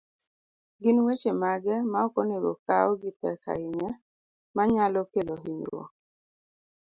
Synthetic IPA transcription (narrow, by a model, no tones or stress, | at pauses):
ɡɪnwet͡ʃemaɡɛmaɔkɔneɡɔ̰kaɔɡɪtɛ̰ka̰ɪɲɛ | maɲalɔkeloɦiɲɾwɔ̰k̚